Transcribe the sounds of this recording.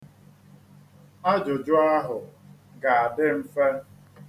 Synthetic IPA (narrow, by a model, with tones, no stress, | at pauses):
a˦d͡ʒʊ˨d͡ʒʊ˦a˦ɦʊ˨ | ɡa˨a˨dɪ˦m̩˦fe˦